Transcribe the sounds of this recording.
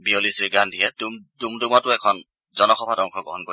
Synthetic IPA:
biolisiɡandʱiɛtumtumdumɔtʊɛkʰɔn | zɔnɔxɔbʱatɔŋkʰɔɡɔ̰ɦɔnko

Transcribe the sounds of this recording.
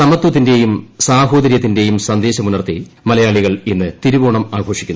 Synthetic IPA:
sɐmɐt̪ːwɐt̪̬ːinde̞jumsaːɦo̞ːd̪ɐɾjɐt̪ːinde̞jumsɐnd̪e̞ːɕɐmunɐrt̪ḭ | mɐlɐjaːɭiɣɐɭenːɨt̪iɾuboːɳɐmaːɡʱo̞ːʂikʲːunː

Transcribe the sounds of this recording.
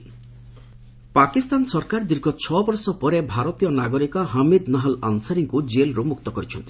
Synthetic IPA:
pakist̪ansɔɾkaɾd̪iɾɡʱɔt͡ʃʰɔbɔɾsɔpɔɾebʱaɾot̪ijɔnaɡoɾikɔɦamid̪naɦala̰nsaɾiŋkud͡ʒelɾumuk̚t̪ɔkɔɾit͡ʃʰɔnt̪i

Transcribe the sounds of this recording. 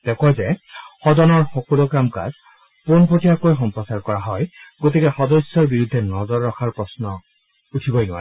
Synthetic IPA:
tɛkɔjzɛxɔdɔnɔɹxɔkɔlokɹamka̰z | ponpotʰijakojxɔmpɹɔsaɹkɔɹaɦɔjɡotikɛxɔdɔsːɔɹbiɹud̪ʱːɛnɔzɔɹːɔkʰaɹpɹɔsnɔ | utʰibɔjnʊwa̰ɹ

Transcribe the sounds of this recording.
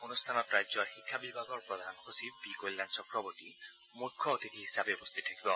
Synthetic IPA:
unust̪ʰanɔtɹajzɔɹxikʰːabibʱaɡɔɹpɹɔd̪ʱanɔxosibikolːansɔkɹɔboti | mukʰːɔot̪itʰiɦisabɛobɔst̪ʰitʰakibɔ

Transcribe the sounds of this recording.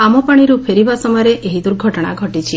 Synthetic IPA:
amɔpaɽ̃iɾupʰeɾibasɔmɔɾeʔeɦid̪uɾɡʱɔʈɽ̃a̰ɡʱɔʈit͡ʃʰi

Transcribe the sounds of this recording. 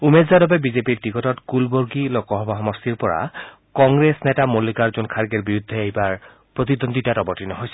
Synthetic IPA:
umezadɔbɛbizepiɹtikɔtɔtkulboɹɡilokɔɦɔbaɦɔmɔstiɹpɔɹa̰ | kɔŋɡɹesnɛtamolikaɹzunkʰaɹɡeɹbiɹud̪ʱːɛejbaɹ | pɹot̪id̪onditatɔbɔɹtinɔɦojsɛ

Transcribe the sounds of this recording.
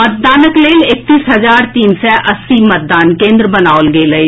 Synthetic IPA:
mət̪̚d̪aːnəkleːlɪk̚t̪iːsɦɐzaːɾt̪iːnsɛʔɐsːimɐt̪̚d̪aːnkẽːnd̪ɾəbɐnaːolɡeːləi

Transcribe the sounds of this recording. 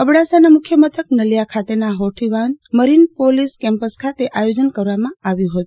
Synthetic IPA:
əbɽasanamʊkʰjəmət̪ʰəknəljakʰat̪enaɦoʈʰiʋanməɾinpoliskɛ̃mpəskʰat̪eʔajod͡ʒənkəɾʋamãaʋjũɦət̪u

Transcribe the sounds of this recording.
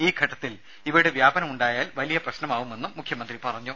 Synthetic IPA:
iːɡʱɐʈːɐt̪ːil | iʋɐɽeʋjaːbɐnɐmuɳɖaːjaːlʋɐlijɐprɐɕnɐmaːʋume̞nːumːukʰjɐmɐnd̪ripɐrɐɲːu

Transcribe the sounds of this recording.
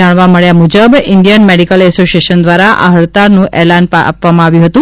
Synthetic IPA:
aɽ̃ʋaməɭjamud͡ʒəbɪɳɖijənmeɽikəlɛsosieʃənd̪ʋaɾaʔa̰ɦəɭt̪aɾnũʔɛlanpaa̰pʋamãaʋjũɦət̪ũ

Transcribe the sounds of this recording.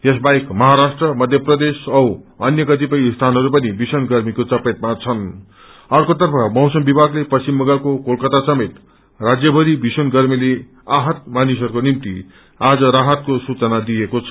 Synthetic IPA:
jesbaekmʌɦaɾasʈrʌmʌd̪ʱjʌprʌd̪esʌwʌnjʌkʌt̪̬ipʌjst̪ʰanɦʌɾupʌnibisʌnɡʌrmikot͡sʌpet̪̚mat͡sʰʌn | ʌrkot̪ʌrpʰʌmʌwsʌmbibʱaɡlepʌst͡simːʌɡalkokolkʌt̪asʌmet̪ | rad͡zjʌbʱʌɾibisʌnɡʌrmile | aɦʌt̪̚manisʌɾukonimt̪ḭ | ad͡zʌɾaɦʌt̪̚kosut͡sʌnad̪ijekot͡sʰʌ

